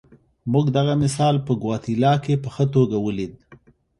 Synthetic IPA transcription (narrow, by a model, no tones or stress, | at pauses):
muɡd̪aɣamɪsɑlpəɡwɑt̪ilɑkepəxət̪̬oɡawəlid̪̚